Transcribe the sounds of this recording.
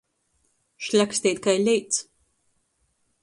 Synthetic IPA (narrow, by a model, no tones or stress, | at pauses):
ʃlʲæksʲt̪iːt̪kajlʲɛjt̪s